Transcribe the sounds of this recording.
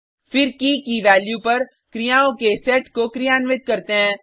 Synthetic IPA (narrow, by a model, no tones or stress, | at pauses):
fɪɾkikiʋɛːljupɐɾ | kɾijãːõkesɛːʈkokɾijaːnʋɪt̪̚kɐɾt̪eɦɛ̃ː